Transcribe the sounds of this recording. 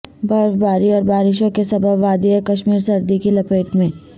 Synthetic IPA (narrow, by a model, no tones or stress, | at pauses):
bɐɾfbaːɾiɔːɾbaːɾɪʃ̬õkesɐbəbʋaːd̪iɐkɐʃmiːɾsɐɾd̪ikilɐpeːʈmẽː